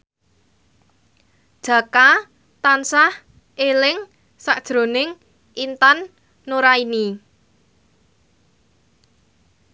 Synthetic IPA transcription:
d̥ʒ̥a̤ka | t̪ansah | ʔelɪŋ | saʔd̥ʒ̥ɾo̤nɪŋ | ʔint̪anː | oɾaini

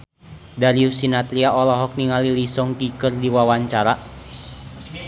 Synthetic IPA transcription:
daliusinat̪liaʔɔlɔɦɔk̚niŋalilisɔŋt̪ikərdiwawaɲt͡ʃaɾa

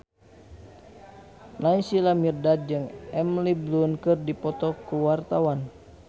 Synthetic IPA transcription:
naisilamirdat̪̚d͡ʒɨŋɛmliblunkɨrdipɔt̪ɔkuwart̪awan

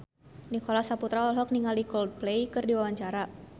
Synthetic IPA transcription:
nikɔlasaput̪ɾaɔlɦɔk̚niŋalikɔld̚plejkɨrdiwawaɲt͡ʃaɾa

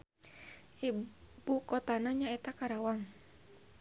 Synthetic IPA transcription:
ʔibukɔt̪anaɲaɛt̪akaɾawaŋ

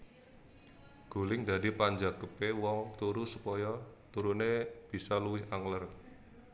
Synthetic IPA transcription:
ɡ̥o̤lɪŋd̪a̤d̪ipaɲd͡ʒaɡəpewɔŋt̪uɾusupɔjɔt̪uɾuneb̥i̤sɔluwɪɦaŋlər

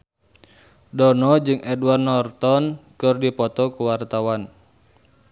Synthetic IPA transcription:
dɔnɔd͡ʒɨŋʔɛdwarnɔrt̪ɔnkɨrdipɔt̪ɔkuwart̪awan

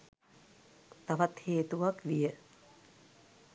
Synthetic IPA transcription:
t̪aʋat̪heːt̪uʋakʋijə

